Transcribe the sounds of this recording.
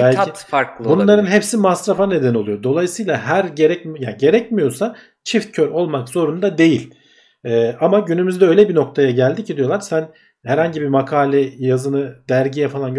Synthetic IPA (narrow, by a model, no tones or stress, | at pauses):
bælʲifaɾkbunlˠaɾɯnɦepsimasɾafane̞d̪æno̞lˠujo̞d̪o̞lˠajɯsɯjlˠaɦæɾɟe̞ɾɛcjaːɟe̞ɾɛcmijo̞sa | t͡ʃʰift̪̚cʰøɾo̞lˠmakzo̞ɾund̪ad̪e̞jilʲ | ɛːamaɟynymyzd̪ɛø̞jlʲɛbino̞k̚t̪ʰajaɟælʲd̪icʰid̪ijo̞lˠaɾsæn | hæɾhaɲɟibimakʰaːlʲɛjazɯnɯd̪æɾɟijɛfalˠanɟø